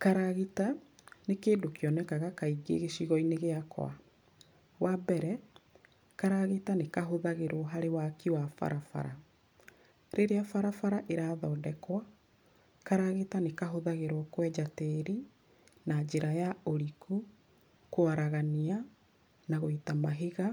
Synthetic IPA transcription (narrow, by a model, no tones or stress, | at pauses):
kaɾaɣitanekeːndokjɔnɛkaɣakaiɡḛɣeʃiɣɔineɣeakw̰a̰ | wabɛɾɛ | kaɾaɣitanekaɦoðaɣeɾwɔɦaɾewakiwafa̰ɾafa̰ɾa | ɾeɾeafaɾafaɾaʔeɾaːðɔːdɛkwa | kaɾaɣetanekaɦoðaɣeɾwɔkwɛd͡ʑateɾi | nad͡ʒeɾajaoɾikʰu | koaɾaɣania | naɣoitamaɦeɣa